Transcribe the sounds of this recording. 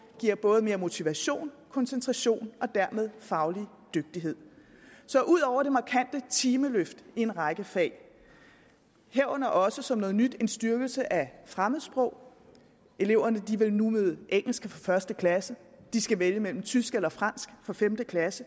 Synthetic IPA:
ɡ̥iɐ̰b̥ɔ̽ːð̞̩ˠme̝ːɐmo̝t͡sʰiʋæɕo̝̰ːnkʰɒ̽nsent͡sʰʁɑ̈ɕo̝̰ːnɒ̽d̥æɐ̰með̞ˠfɑ̈ʊli | d̥øɡ̥̚d̥iɦe̝ð̰ˠsɒ̽ʔuð̞̰ˠɒʊ̰ɐɾ̥e̝mɑ̈kʰæn̰d̥ət͡sʰiːməløfd̥ie̝nʁɑ̈ɪɡ̥əfɛ̰ɪ | heɐɐnɐʔɒ̽səsɒ̽mnɔ̽ːð̞̩ˠnyd̥e̝nsd̥yɐɡ̥l̩səʔæfʁaməðˠsb̥ʁɔʊ̰ | e̝le̝ʊ̰ɐnəd̥iʋelnumeð̞ˠʔeŋ̰l̩sɡ̥əfɒfɶɐsd̥əkʰlæsə | d̥isɡ̥æʋeljəmel̰m̩t͡sʰysɡ̥elɐfʁɑn̰sɡ̥fɒ̽femd̥əkʰlæsə

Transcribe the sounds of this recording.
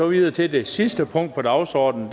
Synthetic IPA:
ɒʋiðˠɐt͡sʰe̝d̥e̝sisd̥əpʰɔ̽ŋ̰d̥̚pʰɒ̽d̥ɑ̈ʊsɒːd̥n̩d̥

